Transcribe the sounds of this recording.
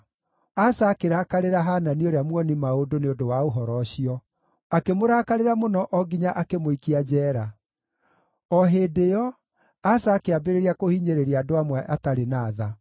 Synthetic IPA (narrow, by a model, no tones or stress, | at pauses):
asaːkeɾakaɾeɾaɦananioɾeamwɔnimaodoneodowaoɦɔɾɔɕiɔ | akemoɾaːkaɾeɾamonɔʔɔɡiɲaʔakemoikiad͡ʑɛːɾa | ɔɦeːdejɔ | asaːkeabeɾeɾiakohiːɲeɾeɾiadoamwɛʔataɾenaːða